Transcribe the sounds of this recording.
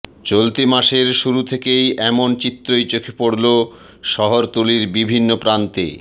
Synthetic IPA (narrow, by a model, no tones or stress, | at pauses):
t͡ɕolt̪imaʃeɾʃuɾut̪ʰekejɛmont͡ɕit̪ːɾojt͡ɕokʰepoɽlo | ʃɔɦoɾt̪uliɾbibʱinːopɾant̪ḛ